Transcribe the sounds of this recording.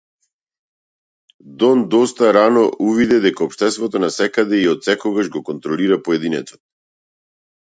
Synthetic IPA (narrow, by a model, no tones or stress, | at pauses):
d̪ɔnd̪ɔst̪aɾanɔʔuvid̪ɛd̪ɛkaɔpʃt̪ɛst̪vɔt̪ɔnasɛkad̪ɛiɔt̪sɛkɔɡaʒɡɔkɔnt̪ɾɔliɾapɔɛd̪inɛt̪sɔ̥t̪